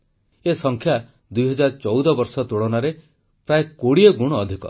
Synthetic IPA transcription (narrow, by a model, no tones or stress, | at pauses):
esɔŋkʰja | d̪ujɦɔd͡ʒaɾɔt͡ʃɔwd̪ɔbɔɾsɔt̪uɽɔnaɾe | pɾaekoɽiɔɡuɽ̃ɔːd̪ʱikɔ̰